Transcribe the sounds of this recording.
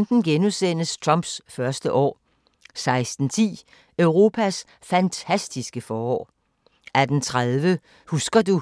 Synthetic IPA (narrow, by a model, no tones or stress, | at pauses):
nd̥n̩ɡ̥enusen̰əst͡sʰʁɑmb̥sfɶɐsd̥əʔɒ̰ː | sɑ̈ɪsd̥n̩t͡sʰḭː | œʊʁo̝ːpʰæs | fænt͡sʰæsd̥isɡ̥əfɒːɒ̰ː | ʔæd̥ent͡sʰʁaðˠʋə | husɡ̥ɐd̥u